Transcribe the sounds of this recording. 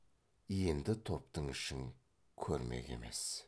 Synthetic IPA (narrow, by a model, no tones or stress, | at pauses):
je̞nd̪ɪt̪ʰo̞pt̪əɴɪʃɪŋ | kʲʰɵɾme̞̰ɡʲe̞̰me̞̰s